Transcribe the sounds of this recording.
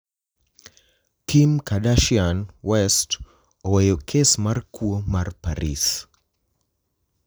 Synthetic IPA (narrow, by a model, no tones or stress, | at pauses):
kʰimkadaʃianwɛst | ɔwɛjokʰesmarkʰuomaɾpaɾis